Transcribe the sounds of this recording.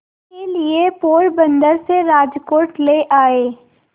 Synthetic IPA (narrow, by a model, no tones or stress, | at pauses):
keliepoːɾbə̃nd̪əɾseɾaːd͡ʒkoːʈleːʔaːeː